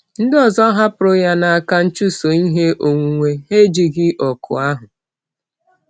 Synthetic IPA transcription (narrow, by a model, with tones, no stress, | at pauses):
n̩˦dɪ˦ɔ˨zɔ˦ɦa˦pʊ˨ɾʊ˦ja˦na˨a˨ka˦n̩˦t͡ʃu˦so˨i˦ɦe˦ʔo˨ŋʷu˨ŋʷe˦e˦d͡ʒi˨ɡɪ˦ʔɔ˨kʰʊ̰˨a˦ɦʊ˨